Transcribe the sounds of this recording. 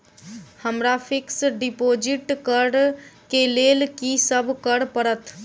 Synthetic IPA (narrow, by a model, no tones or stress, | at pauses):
həmɾapʰiksɖipod͡ʒiʈkəɖkelelkisəbʱkəɽpəɾət̪ʰ